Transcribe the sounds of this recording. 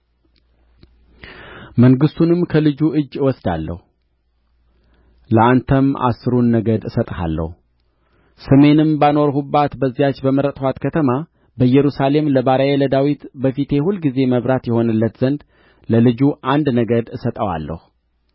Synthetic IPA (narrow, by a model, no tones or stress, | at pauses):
məŋɡɨst̪ʰunɨmkʰəlɨd͡ʒuʔɨd͡ʒːɨwɔsd̪a̰lːə̰hu | ləant̪ʰəma̰sːɨɾunːəɡəd̪ɨsət̪ʼha̰lːə̰hu | səme̞nɨmbano̞ɾɦubːat̪bəzːijat͡ʃːbəməɾət̪ʼhʷwat̪kʰət̪ʰəma | bəjɛɾusale̞mləβaɾajeləd̪awit̪bəfit̪ʰe̞hulːɡize̞məβɾat̪jɛho̞nɨlːət̪z̥ənd̪ | ləlɨd͡ʒuʔand̪nəɡəd̪ɨsət̪ʼəwa̰lːə̰hu